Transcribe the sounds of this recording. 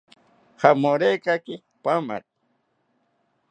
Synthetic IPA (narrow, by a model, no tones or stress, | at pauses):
hamoɾekakɪ | pama̰t̪̚